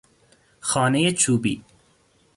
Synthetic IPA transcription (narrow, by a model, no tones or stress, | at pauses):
xɒːnejet͡ʃʰuːbiː